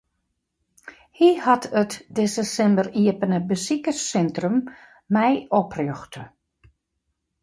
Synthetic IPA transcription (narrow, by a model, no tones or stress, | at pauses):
hihatʰətdɪsəsɛmbəriəpənəbəsikəsɛntrəmː | ɛjɔprjøxtə